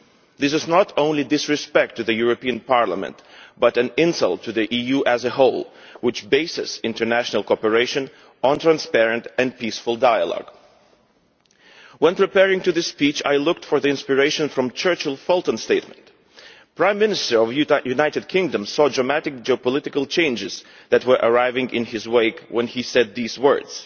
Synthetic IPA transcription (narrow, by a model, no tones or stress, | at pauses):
ðɪs̬ɨznəɾõʊ̃nlidɪsɹɨspɛk̚tʰːɨðɨjuɹəpiɨ̃npɑɹlə̰mɨ̰̃ntb̥ʌɾɨ̃nɪ̃nsʌ̰lˠtʰːɨðiʔijuʔɨzɨɦoʊlˠwɪt͡ʃbeɪsɨ̰sɪ̃ntə˞næʃnəl̩ˠkɔpə˞eɪʃɨ̃n | ə̃ntʰɹ̥æ̃nspɛɹɨ̃ntɨ̃npisfʊl̩ˠdaɪə̰lɔ̰ɡ̥ | wə̃npɹ̥ɨpɛɹɪ̃ŋtɨðɨspit͡ʃa̰ɪlʊk̚tfə˞ðiɪ̃nspɨɹeɪʃɨ̃nfɹʌ̃mt͡ʃʰɜ˞t͡ʃəl̩ˠfɔlˠtə̃nsteɪt̚mə̃nt | pʰɹ̥ãɪ̃mːɪ̃nɨstə˞ʌvjjʉnaɪɾɨd̚kʰɪ̃ŋdə̃msɔdɹəmæɾɨk̚d͡ʒiɔpəlɪɾɨkəl̩ˠt͡ʃʰẽɪ̃nd͡ʒɨz | ðɨt̚wə˞ʔəɹaɪvɪ̃ŋɪ̰̃nɪzweɪkwɛ̃nisɛd̪̚ðizwɜ˞dz̥